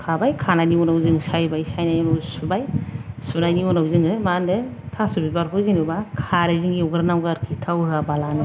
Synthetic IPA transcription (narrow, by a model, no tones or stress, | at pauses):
kʰabajkʰananiɔnawzɯŋsajbajsajnajɔnawsubajsunajniɔnawzɯŋɯmandɯ | tʰasubibaɾkʰuziŋnubakʰaɾeziŋɡiɔɡɾnawɡaɾkʰitʰawhabalanɯ